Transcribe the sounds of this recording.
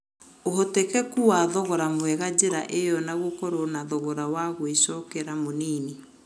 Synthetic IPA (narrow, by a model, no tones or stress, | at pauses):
oɦotekɛkuwaðɔɣɔɾamwɛɣad͡ʑeɾaʔejɔnaɣokɔɾonaðɔɣɔɾawaɣweʃɔkeɾamoniːni